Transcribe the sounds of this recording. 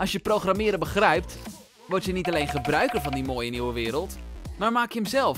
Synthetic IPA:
ɑsjəprowxramɪːɾəbəχrɛjp̚t | ʋɔɹtjənitalejnχəbrœɥkərfɑndimoːjəniwəʋɪːɾəlˠtmaːɹmaːkjəəmzɛlˠf

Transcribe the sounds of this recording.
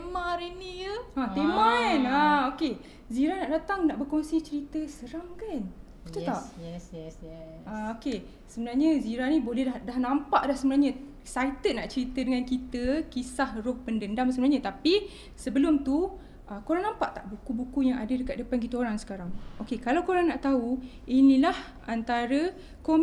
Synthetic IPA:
emãɾinijəãt̪emãnaoke | ziɾanaʔdat̪aŋnaʔbəkoŋsit͡ʃəɾit̪əsəɾaŋkan | bət̪ut̪aʔɛsɛ | aoke | səbənarɲəziɾanĩbolɛhdahdahnãmpaʔdahsəbənarɲã | sajt̪ənaʔt͡ʃəɾit̪ədəŋankit̪əkisahrʊhpəndəndamsəbənarɲət̪api | səbəlʊmt̪u | ʔəkoɾaŋnãmpaʔt̪aʔbukubukujaŋadədəkat̪̚dəpank̬it̪əoɾaŋsə̥kaɾaŋokekalawkoɾaŋnaʔt̪au | inĩlah | ant̪aɾə | kom

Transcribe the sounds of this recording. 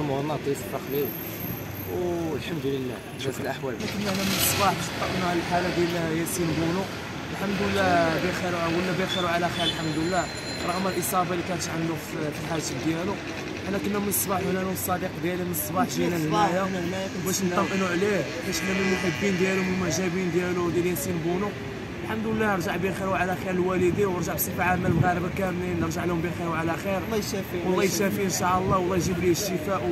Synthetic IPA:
mhɾˤnɑt̪ˤːisfˤɑxlil | wlħamd̪ləlːæ̰ | næsəlʔaħwælnækənːəʕnæmənsˤbɑħt̪ˤːɑʔənːuhællħalæd̪jæljæsinbunu | əlħamd̪əlːæbixiɾuwəlːæbixiɾuʕalæxæəlħamd̪əlːæ | ɾˤɑɣməlʔəsˤɑbɑlikænət̪ʕamlufflħaʒəd̪jælu | ʔænːækʊnːæmənsˤbɑħwlːænusˤːɑd̪iqd̪jælimənsˤbɑħʒinæhmæjæmæj | bæʃnt̪ːɑmʔənuʕlih | bæʃlːæmənmħəbːind̪jælumənməʒæbind̪jælud̪jæljæsinbunu | lħamd̪əlːænəɾˤʒaʕbixiɾuʕalæxiɾəlwælid̪iwəɾʒaʕbsˤifʕamælmɣæɾəbakæmːinːəɾˤʒaʕlihʊmbixiɾuʕalæxiɾlːʃæfiwlˤːɑjʃæfiʔənʃɑʔəlˤːɑwlːɑjʒibələʃt̪əfæʔ

